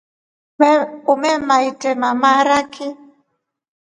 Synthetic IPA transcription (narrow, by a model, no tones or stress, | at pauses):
umɛmaitɛmamaɾaki